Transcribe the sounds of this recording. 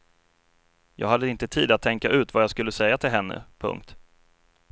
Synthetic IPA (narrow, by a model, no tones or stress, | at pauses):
jʔɑ̰ːɡɦad̪ːəɪnt̪ət̪ʰiːd̪at̪ʰːɛŋkaʔʉ̟ːt̪vajɑːɡskɵlːəsɛjːat̪ʰɪlɦɛnːə̰pʰɵ̰ŋk̚t̪